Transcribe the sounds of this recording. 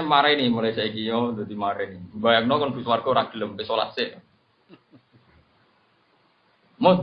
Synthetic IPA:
maɾanimolasaikijɔd̪a̤d̪i̤maɾɛnibajak̚nɔkɔnfuswarɡ̥ɔɾaʔɡ̥ələmpesola̰t̪sɪʔ | mo

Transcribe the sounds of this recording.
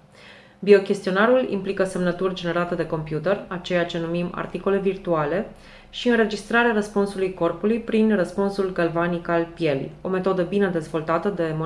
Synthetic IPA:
bio̞kʲe̞st̪ionaɾulḭmplikəse̞mnət̪urʲd͡ʒe̞ne̞ɾat̪ed̪e̞ko̞mpjut̪e̞rat͡ʃe̞jat͡ʃe̞numima̰rt̪iko̞le̞virt̪uale̞ | ʃiɨnre̞d͡ʒist̪ɾaɾeaɾəspunsulujko̞rpulujpɾinrəspunsulɡalvanikalpije̞lḭo̞me̞t̪o̞d̪əbine̞d̪e̞zvo̞lt̪at̪əd̪e̞mo

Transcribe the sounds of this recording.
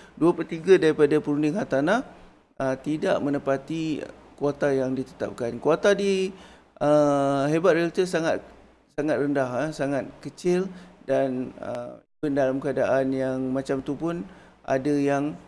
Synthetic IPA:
duapət̪iɡadaɾipadapəɾundɪŋɦat̪anah | ət̪ida̰ʔmə̃nəpat̪i | kuat̪ajaŋdit̪ə̥t̪a̰p̚kankuat̪adi | ʔəɦebat̪̚reak̚t̪əsaŋat̪̚ | saŋat̪̚rəndahasaŋat̪̚kət͡ʃɪldanə̰ibəndalamkəadaʔanjaŋmat͡ʃamt̪upʊnʔa̰dajaŋ

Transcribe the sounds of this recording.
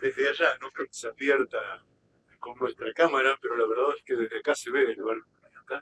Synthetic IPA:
d̪ezðeaʒanokɾeoke̥seaβjeɾt̪a | konnwest̪ɾakamaɾape̞ɾo̞laβeɾðaðeskeðezðeakaseβeeleβaɾoanaat̪a

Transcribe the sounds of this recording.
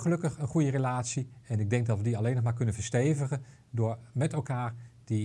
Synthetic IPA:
χəlɵkəχənχujərelaːtsiɛnɪɡ̚dɛŋɡ̚dɑtʋədiɑlejnɔχmaːɹkɵnənvəɹstejvəχə | dʊːɹmɛtɛlˠkaːɹd̥i

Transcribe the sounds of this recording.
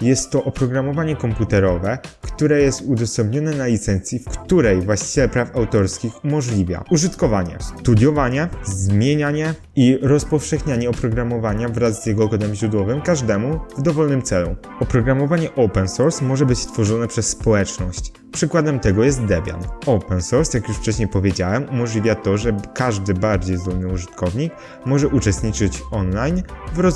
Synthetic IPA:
jɛst̪ːɔʔɔpɾɔɡɾamɔvaɲɛkɔmput̪ɛɾɔvɛkt̪uɾɛjɛst̪ud̪ɔsɛmbɲɔnɛnalʲit̪sɛnt̪sʲjifkt̪uɾɛjvwaɕt͡ɕi̥t͡ɕɛlpɾafawt̪ɔɾskʲixumɔʐlʲivʲja̰uʐɘt̪kɔvaɲɛ̰st̪ud̪ʲjɔvaɲɛzmʲjeɲaɲɛ | iɾɔspɔfʂɛxɲaɲɛɔpɾɔɡɾamɔvaɲavɾazzjɛɡɔɡɔd̪ɛmʑɾud̪wɔvɘmkaʐd̪ɛmuvd̪ɔvɔlnɘmt̪sɛlṵ | ɔpɾɔɡɾamɔvaɲɛʔɔwpɛnsuɾsmɔʐɛbɘt͡ɕst̪fɔʐɔnɛpʂɛsːpɔwɛt͡ʂnɔɕt͡ɕ | pʂɘkwad̪ɛmt̪ɛɡɔjɛst̪̚d̪ɛbʲja̰nɔwpɛnsuɾsjakjuʂft͡ʂɛɕɲejpɔvʲjed͡ʑawɛmumɔʐlʲivʲjat̪ɔʐɛkaʐd̪ɘbaɾd͡ʑejzd̪ɔlnɘuʐɘt̪kʰɔvɲik | mɔʐɛʔut͡ʂɛst̪ɲit͡ʂɘt͡ɕɔnlajnvɾɔ

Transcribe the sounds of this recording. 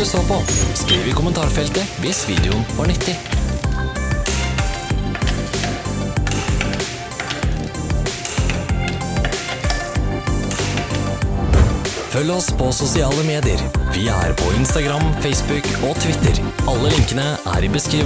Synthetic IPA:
ʉsoːpʰoskɾiːʋɪːkʰʊmənt̪ʰɑːɾfɛlt̪əʋɪsʋḭːd̪ɪʊnʋɑːɳʏt̪ːɪ | fœlːəɔspʰosʊsɪɑːləmeːd̪ɪə̰ɾʋɪːæ̰ːɾpʰɔɪnst̪ɑɡɾɑmfeɪsbʉkoːt̪ʰʋɪt̪ə̰ɾɑlːəlɪŋkənəʔæ̰ːɾɪːbəskɾiː

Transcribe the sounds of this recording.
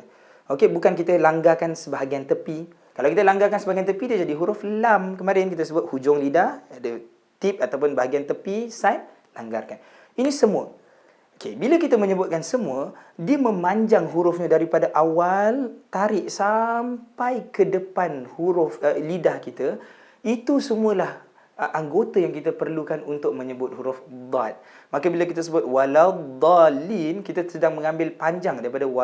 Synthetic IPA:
okebukankit̪əlaŋɡakansəbaɦaɡiant̪əpi | kalawkit̪əlaŋɡakansəbaɡiant̪əpidiəd͡ʒadiɦuɾʊflamkəmaɾiankit̪əsəbʊt̪̚hud͡ʒʊŋlidahadə | t̪ip̚at̪awp̬ʊnbaɦaɡiant̪əpisajt̪̚ | la̰ŋɡa̰rkan | inĩsəmũə | okebiləkit̪əmə̃ɲəbʊt̪̚kansəmũədiəmə̃maɲd͡ʒaŋɦuɾʊfɲadaɾipadaʔawalt̪aɾɪʔsampajkədəpanhuɾʊfəlidahkit̪ə | it̪usəmuəlah | ʔaŋɡot̪ajaŋkit̪əpərlukanunt̪ʊk̚məɲəbʊt̪̚huɾʊfd̪ˤat̪̚makəbilakit̪as̬əbʊt̪̚walad̪alinkit̪asədaŋmə̃ŋãmbɪlpaɲd͡ʒaŋdaɾipadawa

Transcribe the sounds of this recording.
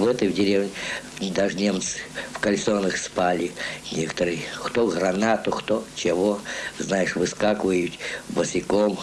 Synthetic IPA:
vɛt̪əvdʲɪɾʲevnʲɪd̪aʐnʲemt̪sɨ̥fkɐlʲsonəxspalʲɪnʲekə̥t̪əɾɨjxt̪oɣɾɐnat̪ʊxt̪ot͡ɕɪvoznajɪʂvɨskakvəjʊtʲbəsʲɪkom

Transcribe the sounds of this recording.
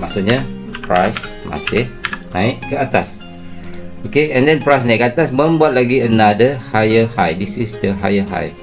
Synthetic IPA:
masuʔɲapɹa̰js | ma̰sɪhnãɪʔkəat̪as | okeɛ̃ndɛ̃npɹajsnãɪt̚kəat̪asmə̃mbuat̪̚laɡiənadəhajəhajdisisdəɦa̰jəɦa̰j

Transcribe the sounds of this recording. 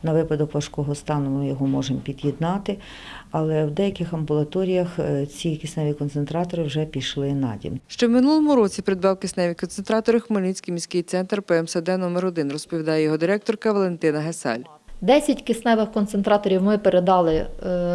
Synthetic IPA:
nɐʋɪpɐd̪ɔkʋɐʃkɔɦɔst̪ɑnʊmɪjɔɦɔmɔʒempʲid̪jid̪nɑt̪ɪ | ɐlˠɛwd̪ɛjɐkɪxɐmbʊlˠɐt̪ɔɾʲijɐxt͡sʲikʲɪsnɛʋʲikɔnt̪sent̪ɾɑt̪ɔɾɪwʒɛpʲiʃlˠɪnɑ̰dʲḭmʃt͡ʃɔwmɪnulˠɔmʊɾɔt͡sʲipɾɪd̪̚bɑwkɪsnɛʋʲikɔnt̪sent̪ɾɑt̪ɔɾɪxmɔlʲnʲisʲkʲɪjmʲisʲkɪjt̪sɛnt̪rpɛɛmsɛd̪ɛnɔmeɾɔd̪ɪnrɔspɔʋʲid̪ɑjɛjɔɦɔd̪ɪɾɛk̚t̪ɔrkɐʋɐlˠent̪ɪnɐɦesɛ̰lʲ | d̪ɛsʲɐtʲkɪsnɛʋɪxkɔnt̪sent̪ɾɑt̪ɔɾʲiwmɪpeɾed̪ɑlˠɪ

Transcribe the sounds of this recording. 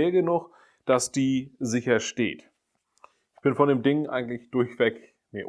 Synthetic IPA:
ɐɡənʊχ | d̥asd̥iːzɪçɐʃtḛːt | ʔʔɪçb̥ɪnfɔndeːmdɪŋʔaɪɡŋ̩tlɪçd̥ʊɐçv̥ɛk | miːɐʔ

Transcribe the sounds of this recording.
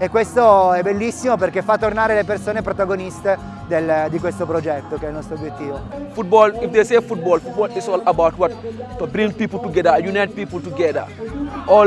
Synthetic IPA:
ekːwest̪oɛbelːisːimop̬erkefːat̪ːornaːɾelepersoːnepɾot̪aɡonist̪e | d̪eld̪ikwest̪opɾod͡ʒɛt̪ːokeɛilnɔst̪ɾobːjet̪ːiːvofut̚bɔlifd̪esefut̚bɔlfut̚bɔːldisɔlɐbawtwɔt̪̚tɔbɾĩŋ̚piːpultuɡɛd̪ajunɛt̚piːpultuɡɛd̪a̰ɔ

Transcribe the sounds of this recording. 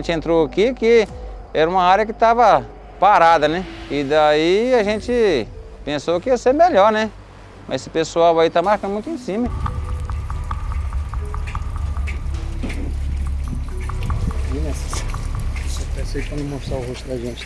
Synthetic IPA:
ẽt͡ʃɪẽnt̪ɾoakikɪɛɾɐũmɐaɾjɐkɪt̪avɐ | paɾad̪ɐnɛ̃ɪd̪aiaʒẽt͡ʃɪ | pẽsokɪiɐseɾmeʎɔɾnɛ | mʔɐjsɪpesuawait̪amaɾkɐ̃d̪mũj̃t̪ʊẽsĩmɐ | inɛ | epẽsejkɐ̃nd̪ʊmoʃt̪ɾaɦoʃt̪ʊd̪aʒẽt͡ʃɪ̥

